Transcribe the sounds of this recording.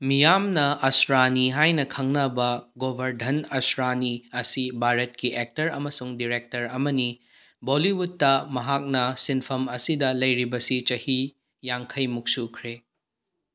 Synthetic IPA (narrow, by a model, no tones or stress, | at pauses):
mijamnɐɐsɾaniɦajnɐkʰɐŋnɐbɐɡobʱɐɾdʱɐnɐsɾaniɐsibʱaɾɐt̚kiʔek̚tɐɾɐmɐsuŋdiɾek̚tɐɾɐmɐni | boliwutːɐmɐɦak̚nɐsinpʰɐmɐsidɐlɐjɾibɐsit͡ʃɐhi | jaŋkʰɐjmuk̚sukʰɾe